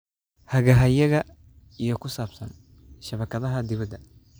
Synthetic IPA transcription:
hɐɣɐɦɐjɐɣɐ | ijɔkʰʊsaːbsɐ̰n | ʃɐβɐkɐðɐɦɐd̪ɪβɐd̪ɐ

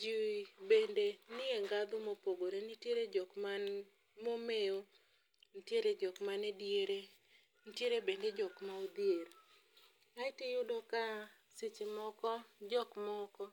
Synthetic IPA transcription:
d͡ʒiwibendenɪeŋɡad̪ʊmopoɡoɾenɪtjeɾed͡ʒɔkman | momeo | nitjeɾed͡ʒɔkmanedjeɾe | nitjeɾebended͡ʒɔkmaod̪ieɾ | aɪtɪjʊdɔka | sɪt͡ʃɪmɔkɔd͡ʒɔkmɔkɔ

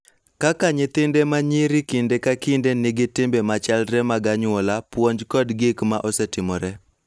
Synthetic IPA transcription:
kakaɲet̪ɪndemaɲɪɾɪkɪndekakɪndenɪɡɪtɪmbemat͡ʃalɾɛmaɡaɲʊɔlapwoɲd͡ʒkɔdɡɪkmaʔɔsɛtɪmɔɾɛ

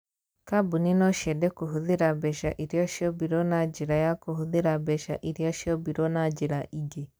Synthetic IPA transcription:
kabuninɔʃɛdɛkoɦuðeɾabɛʃaʔiɾjɔʃiɔbiɾɔnad͡ʒiɾajakohuðeɾabɛʃa̰ʔiɾijɔʃɔbiɾɔnad͡ʒiɾaʔiɡe

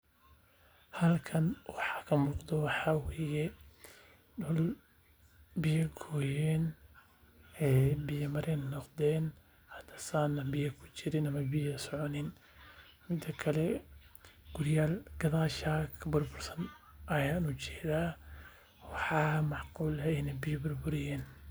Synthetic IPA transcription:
hɐlkʰɐnwɑħɑ̥kʰɐmuːqd̪ɔwɑħɑweːjɛ | ɖɔl | bɪjɐɡʰɔːjɛːn | ɛːbɪjɐmɐɾʔɛnːɔqd̪ɛːn | had̪ḁsaːnabijakut͡ʃiɾinamabijasʕonin | mid̪akʰale | ɡ̥uɾjaːlɡ̥aðˤaːʃakʰbʊɾbuɾsanʔajanud͡ʒi̥ɾa | waħamaʕquːlhanibijbʊɾbuɾijen

